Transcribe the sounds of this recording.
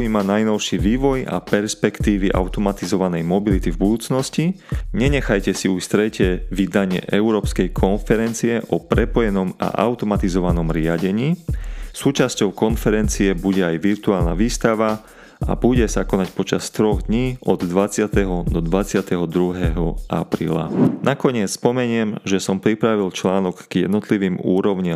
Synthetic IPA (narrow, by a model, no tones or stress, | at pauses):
iːmanajnɔʊʃiʋiːʋɔja̰pɛɾspɛkt̪iːʋiʔa̰ʊt̪ɔmat̪izɔʋanɛjmɔbilit̪ivbud̪uːt͡snɔsci | ɲɛɲɛxajcɛsiust̪ɾɛcɛʋid̪aɲɪɛ̰ʔɛuɾɔːpskɛjkʰɔnfɛɾɛnt͡siɛʔɔpɾɛpɔjɛnɔma̰ʔa̰ʊt̪ɔmat̪izɔʋanɔmɾɪaɟɛɲiːsuːt͡ʃascɔʊkɔnfɛɾɛnt͡siɛbuɟɛajʋiɾt̪uaːlna̰ʋiːst̪aʋa | a̰buɟɛsakɔnacpɔt͡ʃast̪ɾɔɣd̪ɲiːɔd̪d̪ʋat͡sɪat̪ɛɦɔd̪ɔd̪ʋat͡sɪat̪ɛɦɔd̪ɾuɦɛɦɔa̰pɾḭːla̰nakɔɲɪɛt͡sspɔmɛɲɪɛmʒɛsɔmpɾipɾaʋilt͡ʃlaːnɔkːjɛ̰d̪nɔt̪liʋiːmuːɾɔʊɲɪ